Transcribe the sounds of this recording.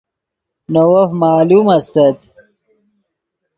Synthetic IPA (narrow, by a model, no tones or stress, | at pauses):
nowɐfmaːlumɐst̪ɐt̪